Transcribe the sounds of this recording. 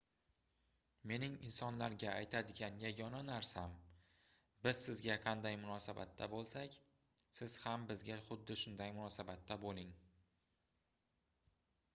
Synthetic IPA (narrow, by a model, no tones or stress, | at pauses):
me̞nɪŋɪnsɒnlaɾɡʲaːjt̪ʰad̪ɪɡʲanjaɡʲɒnanaɾsam | bɪz̥sɪzɡʲaqʰɑnd̪ajmʊnɒsaba̰t̪ʰːa̰bolˠsakʲ | sɪz̥hambɪzɡʲaχʊd̪ːɪʃʊnd̪ajmʊnɒsabat̪ʰːabolɪŋ